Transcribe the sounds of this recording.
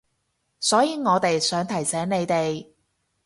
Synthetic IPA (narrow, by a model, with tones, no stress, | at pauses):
sɔː˨˥jiː˨˧ŋɔː˨˧t̪e˨jsœː˨˥ŋt̪ʰɐ˨˩jsɛː˨˥ŋne˨˧jt̪e˨j